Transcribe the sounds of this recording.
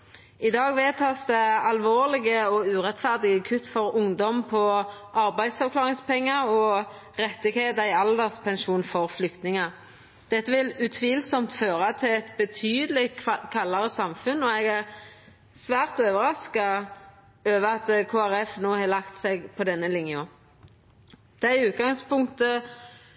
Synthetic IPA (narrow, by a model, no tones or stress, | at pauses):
ɪd̪ɑːɡʋeːt̪ʰɑːsd̪ɛɑlʋoːʁlɪɡəɔʉːʁɛt̪fæʁd̪ɪɡəkʰʉt̪ːfɔʁʊŋd̪ɔmpʰɔʔɑɾbæɪsɑʋklɑːʁɪŋspɛŋːəʁɔ | ʁɛt̪ːɪɡheːt̪ɪɑld̪əʁspʰɛnʃuːnfɔʁflʏkt̪nɪŋɑ | d̪̥ɛt̪ːəʋɪlʉt̪ʰʋiːlsɔmt̪føːʁɑt̪ʰɪlɛt̪bət̪ʰyːd̪əlɪkʰɑlːɑɾəsɑmfʉnɔɛɡæʁ | sʋæːʁt̪øːʋəɾɑskɑ | øːʋəɑt̪kʰoːæʁɛfnoːhɑːlɑkt̪sɛɡpʰɔd̪ɛnːəlɪŋjə | d̪̥æɪʉːt̪̚ɡɑŋspʊŋkt̪ə